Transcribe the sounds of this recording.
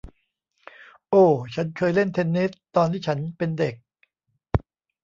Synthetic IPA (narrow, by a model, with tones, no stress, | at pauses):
ʔoː˧˩t͡ɕʰa˦˥nkʰɤː˧jle˥˩nt̪ʰe˧nːi˦˥st̪ːɔː˧nt̪ʰiː˥˩t͡ɕʰa˦˥npe˧nde˨˩k̚